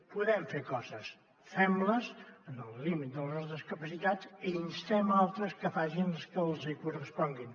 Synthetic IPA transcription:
puðɛmfeɾkɔzəs | fɛmləzənəlˠlimit̪̚d̪əlˠəzðəskəpəsit̪ad͡ziinst̪ɛmalˠt̪ɾəskəfaʒinləskəlˠzikurəspɔŋɡin

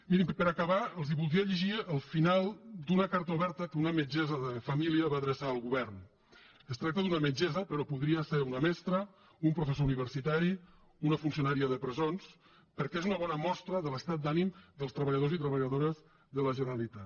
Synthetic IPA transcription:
minimpəɾakəβaəlˠziβulˠd̪ɾiəʎəʒiəlˠfinalˠd̪unəkaɾt̪əuβɛɾt̪əkəunəməd͡ʒɛzəðəfəmiliəβaðɾəsaəlˠɣuβɛrn | əst̪ɾak̚t̪əðunəməd͡ʒɛzəpəɾɔpuðɾiəseɾunəmɛst̪ɾə | umpɾufəsouniβ̞əɾsit̪aɾi | unəfunsiunaɾiəðəpɾəzons | pəɾkɛezunəβɔnəmɔst̪ɾəðələst̪at̪̚d̪animd̪əlˠst̪ɾəβ̞əʎəð̞ozit̪ɾəβəʎəðoɾəz | ðələʒənəɾəlit̪at̪

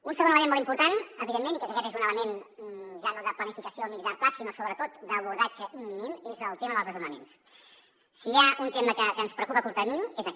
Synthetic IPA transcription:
unsəɣonələmenmolˠimpuɾt̪anəβiðemːenikɛk̪əkɛt̪ezunələmenʒaðəðəplənifikəsiomiʒamplasiməsoβɾət̪ot̪d̪əβuɾðad͡ʒəʔimːinimezəlˠt̪eməðəlˠzðəzunəmens | siaunt̪eməkəkənspɾəukupəpuɾt̪əminezə

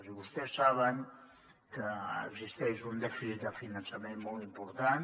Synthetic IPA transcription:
ziβust̪ɛsːaβəŋ | kəə̰ɡzist̪ɛʃund̪ɛfisit̪̚d̪əfinansamẽnmɔlˠt̪impuɾt̪an

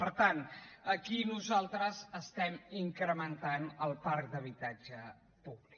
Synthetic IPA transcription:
pəɾt̪anəkinuzalˠt̪ɾəzəst̪ɛmiŋkɾəmənt̪anəlˠpaɾk̚d̪əβ̞it̪ad͡ʒə | puβlik

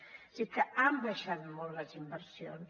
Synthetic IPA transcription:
sikəambaʃat̪molːəzimbəɾsjon

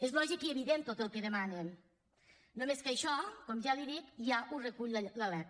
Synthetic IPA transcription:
ezβlɔʒikieβiðent̪ot̪əlˠkəðəmanen | nomeskəʃɔkɔmʒaliðikʒaʔurəkuʎləlɛ

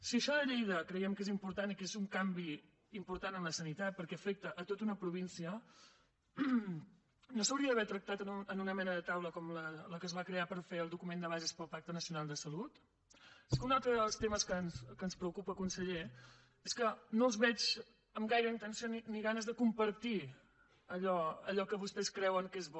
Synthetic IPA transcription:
siəʃɔðəʎejðəkɾəjɛmkezimpuɾt̪anikezuŋkambi | impuɾt̪anənləsənit̪at̪̚pəɾkɛəfek̚t̪əʔːt̪ot̪unəpɾuβ̞insiə | nosəwɾiəðəβɛɾt̪ɾək̚t̪at̪ənuənunəmɛnəðət̪awləkɔmlələkəzβakɾeapəɾfeəlˠd̪ukumend̪əβ̞azespəlˠpak̚t̪ənəsiunalˠd̪əsəlut̪ | sunalˠt̪ɾəðəlˠst̪eməskənskənspɾəukupəkunsəʎe | eskənolˠzβɛt͡ʃ | əmɡajɾəint̪ənsioniniɣanəzðəkumpəɾt̪i | əʎɔəʎɔkəβust̪ɛskɾɛwəŋkezβɔ

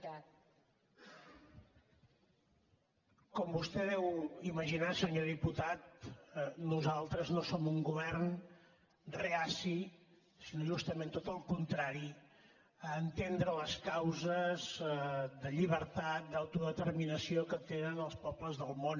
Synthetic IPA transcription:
kɔmbust̪ɛðɛwiməʒinasəɲoðiput̪at̪̚ | nuzalˠt̪ɾəznosomuŋɡuβ̞ɛrn | reasi | sinoʒust̪əmẽnt̪ot̪əlˠkunt̪ɾaɾi | əːnt̪end̪ɾələskawzəzd̪əʎiβ̞əɾt̪at̪̚d̪awt̪uðət̪ərminəsiokət̪enənəlˠspɔpləzðəlˠmon

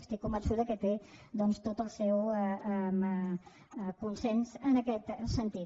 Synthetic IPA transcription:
st̪ikumbənsuðəkət̪ed̪ɔnst̪ot̪əlˠsɛwəmə | kunsɛnzənəkɛt̪sənt̪i

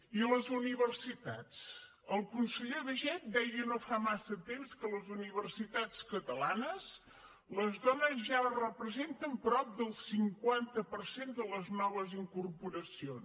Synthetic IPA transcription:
iələzuniβərsit̪at͡s | əlˠkunsəʎeðəʒɛt̪̚d̪ɛjənofamasət̪emskələzuniβ̞ərsit̪at͡skət̪əlanəz | ləzðɔnəzʒarəpɾəzent̪əmpɾɔp̚d̪əlˠsiŋkwant̪əpəɾsend̪ələznɔβ̞əziŋkurpuɾəsion

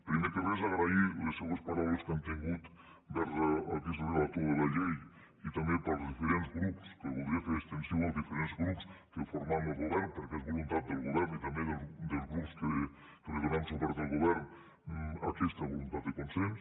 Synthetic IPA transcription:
pɾimekeβezaɣɾaileseɣwospaɾawleskɛmt̪iŋɡut̪ | bɛɾzaa̰kisrelat̪oəlaʎej | it̪amepalˠzðifeɾenzɣɾupskeβulˠd̪ɾiafeɾekst̪ensjowalˠzðifeɾenzɣɾupskefoɾmamelˠɣuβɛɾnpəɾkɛzβulunt̪at̪̚d̪elˠɣuβɛɾnit̪ambeðeld̪elzɣɾupske | kelezeɾamsuβɛɾzðəlˠɣuβɛɾn | a̰kɛst̪aβolunt̪at̪d̪ekonsens

